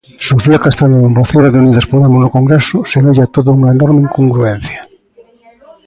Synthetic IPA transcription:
suθiakast̪aʎaðomboθeɾaðeuniðɐspoðemʊznokoŋɡɾesʊsenoʎat̪oðouŋɐenɔɾmeiŋkoŋɡɾuen̟θjḁ

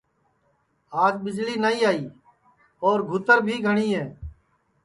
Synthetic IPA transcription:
aːzbɪd͡ʒliːnaːĩːaːiː | ɔːɾɡʱʊt̪əɾbʱiːɡʱəɽ̃iːɦɛ̃ː

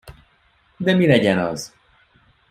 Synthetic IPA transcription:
d̪ɛmilɛɟɛnɒ̰z

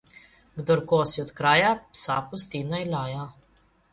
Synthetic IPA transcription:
ɡd̪ɔɾkoːsiɔt̪kɾaːjapsapust̪inajlaːja

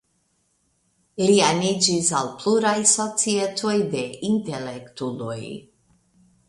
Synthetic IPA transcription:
ɾianid͡ʒisa̰lpluɾajso̞t͡sietʰojde̞intelektulo̰j

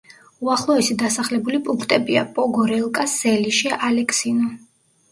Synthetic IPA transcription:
uaχlˠɔɛsid̪asaχlɛbulipʼuŋkʰt̪ʼɛbia̰pʼɔɡɔɾɛlˠkʼasɛliʃialɛkʰʼsinɔ

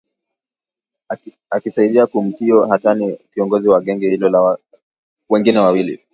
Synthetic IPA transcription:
akisaiɗiakum̩tiɔɦatanikiɔŋɡɔziwaɠɛŋɡɛhilɔla | wɛŋɡinɛwawilḭ

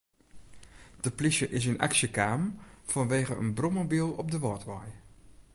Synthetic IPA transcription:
d̥əplisəʔɪsɪnʔa̰ksəkaːmv̥ɑnʋeːɣəʔə̰nbrɔmobilˠɔb̚dəʋɔɹtʋɑj

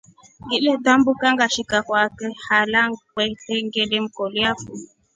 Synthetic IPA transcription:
ŋɡilɛtambukaŋɡaʃikakwakɛhalaŋk͡pɛtɛŋɡelem̩kɔliafu

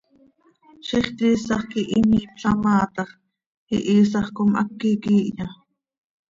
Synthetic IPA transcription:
ʃiχt̪iːsɑχkiʔimiːpɬɑmɑːt̪ɑχ | ḭʔiːs̬ɑχkomʔɑ̰kːikiːʔɲɑ

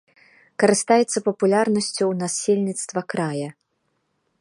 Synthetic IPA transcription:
kɐɾɨst̪ajɛt̪sːɐpɐpulʲarnɐsʲt͡sʲuwnasʲelʲnʲit̪st̪vɐkɾajɐ

